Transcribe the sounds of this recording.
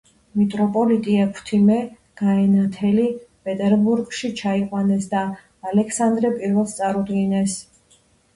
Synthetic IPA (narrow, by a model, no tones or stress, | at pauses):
mit̪ʼɾɔpʼɔlit̪ʼiakʰt̪ʰimɛ | ɡ̥aɛnat̪ʰɛlipʼɛt̪ʼɛɾbuɾɡʃit͡ʃʰaiqʼwanɛsd̪aː | lɛkʰsand̪ɾɛpʼiɾvɛlˠst̪sʼaɾud̪ɡinɛs